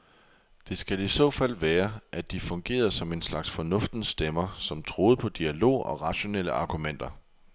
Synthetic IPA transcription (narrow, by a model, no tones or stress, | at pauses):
d̥e̝sɡ̥ælisɔ̰̽ːfæl̰ʋæːɐʔæd̥ifɔ̽ŋɡ̥e̝̰ːɐsɒ̽me̝nslɑ̈ɡ̥sfɒ̽nɔ̽fd̥n̩sd̥emɐsɒ̽mt͡sʰʁo̝ːð̞̩ˠpʰɒ̽d̥iælo̝̰ːɒ̽ʁɑ̈ɕo̝nel̰əɑ̈ɡ̥umen̰d̥ɐ